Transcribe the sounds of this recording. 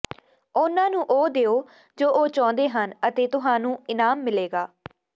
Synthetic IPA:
ʊnãːnũːʔoːd̪eːoː | d͡ʒoːʔoːt͡ʃɔ̃ːnd̪eːɦənət̪eːt̪ʊɦãːnũːɪnaːmːɪleːɡaː

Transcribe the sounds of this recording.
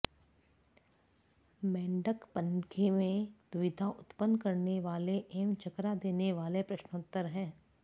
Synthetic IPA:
mɛ̃ːɳɖəkpə̃nkʰemẽd̪ʊʋɪd̪ʱaʔʊt̪pənkɐɾneʋaːleʔeːmt͡ʃɐkɾad̪eːneʋaːlepɾɐʃnʊt̪ːəɾɦɛ̃ː

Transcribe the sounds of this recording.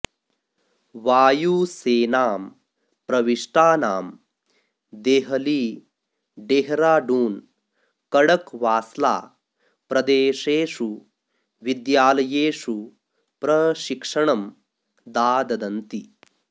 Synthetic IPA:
ʋaːjuːseːnaːm | pɾɐʋiʂʈaːnaːm | d̪eːɦɐliː | ɖeːɦɾaːɖuːn | kɐɽɐkʋaːsla̰ː | pɾɐd̪eːʂeːʂu | ʋid̪jaːlɐjeːʂu | pɾɐʃikʂɐɳɐm | d̪aːd̪ɐd̪ɐnt̪i

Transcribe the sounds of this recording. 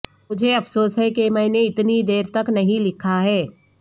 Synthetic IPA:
mʊd͡ʒʱeɐfʰsoːsɦɛkemɛ̃ːneɪt̪nid̪eːɾt̪ɐknɐɦĩlɪkʰaɦɛː

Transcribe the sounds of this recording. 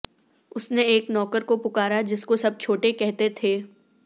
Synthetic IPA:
ʊsneeːknɔːkəɾkopʊkaːɾad͡ʒɪskosɐb̚t͡ʃʰoːʈekɛɦt̪et̪ʰeː

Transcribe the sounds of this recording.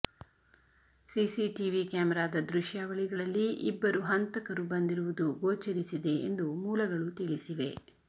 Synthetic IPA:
sisiʈiʋikaːmɛɾaːd̪ɐd̪ɾuʃjaːʋɐɭiɡɐɭɐlːiʔibːɐɾuɦɐnt̪ɐkɐɾubɐnd̪iɾuʋud̪uɡoːt͡ʃɐɾisid̪e̞end̪umuːlɐɡɐɭut̪iɭisiʋe̞

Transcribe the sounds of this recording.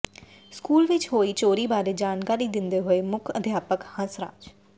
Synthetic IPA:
skuːlʋɪt͡ʃɦoːiːt͡ʃoːɾiːbaːɾeːd͡ʒaːnkaːɾiːd̪ɪnd̪eːɦoːeːmʊkʰəd̪ʱjaːpəkhə̃sɾa̰ːd͡ʒ

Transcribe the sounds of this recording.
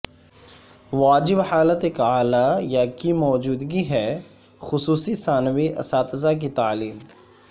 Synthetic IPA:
ʋaːd͡ʒɪbhaːlət̪ɪkaːlaːjakiːmɔːd͡ʒuːd̪ɡiɦɛː | xʊsuːsisaːnʋiʔə̰saːt̪zaːk̬it̪aːliːm

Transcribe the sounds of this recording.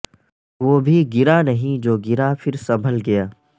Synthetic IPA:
ʋoːbʱiɡɪɾanɐɦĩd͡ʒoːɡɪɾafɪɾsɐbʱəlɡɐjaː

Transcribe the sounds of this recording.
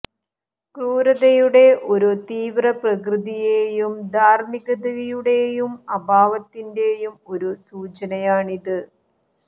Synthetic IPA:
kuːɾɐðɐjuɽe̞ʔo̞ɾut̪iːʋrɐprɐkrɨðijeːjumd̪ʱaːrmiɣɐðɐɣɐjuɽe̞jumɐbʱaːʋɐt̪ːinde̞ːjumo̞ɾusuːt͡ɕɐnɐjaːɳiðɨ

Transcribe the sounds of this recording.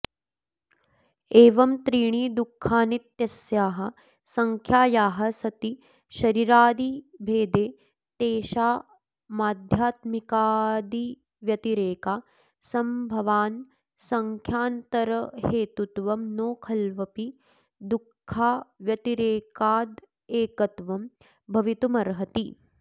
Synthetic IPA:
eːʋɐmt̪ɾiːɳ̃iːd̪ukʰːaːnit̪jɐsjaːɦɐ̆ | sɐŋkʰjaːjaːɦɐsɐt̪i | ʃɐɾiɾaːd̪ibʱeːd̪eː | t̪eːʃaː | maːd̪ʱjaːt̪mikaːd̪i | ʋjɐt̪iɾeːkaː | sɐmbʱɐʋaːn | sɐŋkʰjaːnt̪ɐɾɐheːt̪ut̪ʋɐmnoːkʰɐlʋɐpi | d̪ukʰːaːʋjɐt̪iɾeːkaːd̪ | eːkɐt̪ʋɐm | bʱɐʋit̪umɐɾɦɐt̪i

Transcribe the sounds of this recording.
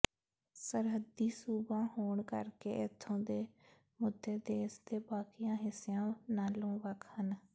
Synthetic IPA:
səɾɦəd̪iːsuːbãːhoːɳkə̰ɾkḛːʔɪt̪ʰːõːd̪eː | mʊd̪ːeːd̪eːsd̪eːbaːkɪjãːɦɪsejãːnaːlõːʋəkʰhən

